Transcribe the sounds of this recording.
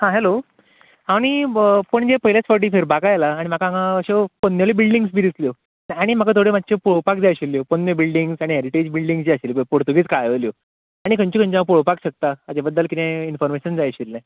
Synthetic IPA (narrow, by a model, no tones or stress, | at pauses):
hãɦelo | aɽ̃ipəɳd͡ʑepəɦiljat͡sfəʈ̬iːfeɾbakajelaːɽ̃imakãŋɡaəɕepənːjelebilɖiŋɡsbiːd̪isljo | aɽ̃im̤akat̪ʰoɽemat̪ːɕepuɭəpak̚d͡zajɕilːjopənːəbilɖiŋɡsaɽ̃iɦeɾiʈed͡ʑbilɖiŋɡsd͡ʑiaɕilbpoɽt̪uɡiːt͡skajəljo | aɽ̃ikəɲt͡ɕikʰəɲt͡ɕãp̬uɭopakɕək̚t̪aːd͡ʑabəd̪ːəlkit̪ẽinfɔɾmeɕənd͡zajɕilːẽ